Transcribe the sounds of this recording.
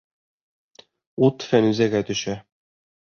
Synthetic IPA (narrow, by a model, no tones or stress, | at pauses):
ut̪fænʉzæɡæt̪ɵ̆ʃæ